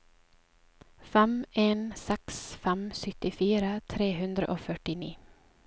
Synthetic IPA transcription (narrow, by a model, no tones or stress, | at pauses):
fɛmeːnsɛksfɛmsʏt̪ɪfiːɾət̪ʰɾeːhʉnd̪ɾəʔoːfœʈɪnḭː